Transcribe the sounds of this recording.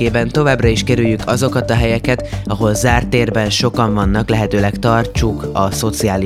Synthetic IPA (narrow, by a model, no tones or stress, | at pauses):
eːbɛnt̪o̞vaːbrɒiʃkɛɾyjːykʰɒzo̞kɒt̪ɒɦɛjɛkɛt̪ɒɦo̞lzaːrt̪eːrbɛnʃo̞kɒɱvɒnːɒklɛɦɛt̪øːlɛkt̪ɒrt͡ʃukɒso̞t̪siaːli